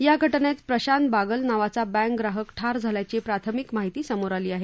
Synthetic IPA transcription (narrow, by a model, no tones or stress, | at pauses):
jaɡʱəʈɳet̪pɾəɕanbaɡəlnaʋat͡sabɛ̃ŋkɡɾaɦəkʈʰaɾd͡zʱaljat͡ɕepɾat̪ʰəmikmaɦit̪iːsəmoɾaliːaɦe